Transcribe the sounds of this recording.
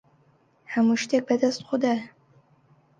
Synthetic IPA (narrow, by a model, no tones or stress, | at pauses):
ħamɨʃtʰek̚bɐdɐst̪qʷʊda